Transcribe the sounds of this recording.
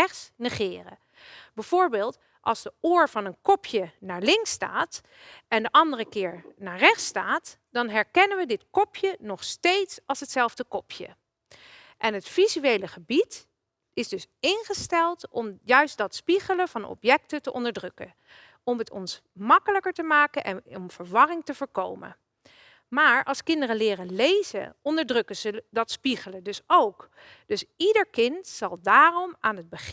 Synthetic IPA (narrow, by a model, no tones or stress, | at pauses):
ɛχsnɛχɪːrə̰ | b̥ɛv̥oːɹbɪːlˠt | ʔɑ̰lˠzdəoːɹvɑnənkɔpʰjənaːɹlɪŋksta̰ːt | ʔɛndəʔɑndərəkɪːɹnaːɹrɛχtstaːt | d̥ɑnɦɛɹkɛnəʋədɪtkɔpʰjənɔχstejtsɑlˠsɦətsɛlˠvdəkɔpʰjə̰ | ʔɛnɦətfizyejləχəbit | ɪzdɵsɪnχəstɛlˠtɔmjœɥsd̥ɑtspiχələv̥ɑnɔ̰pjɛk̚tətəʔɔndəɹdrɵkən | ɔmɦətɔ̰ns | mɑkələkəɹtəmaːkənʔɛnɔmv̥əɹʋɑrɪŋtəvəːɹkowmə̰ | maːɹʔɑlˠskɪndərənlɪːrəlejzə̰ʔɔndəɹdrɵkəzədɑtspiχələdɵsowk | d̥ɵsidəɹkɪntsɑlˠdaːrɔmaːnɦəd̚bəχ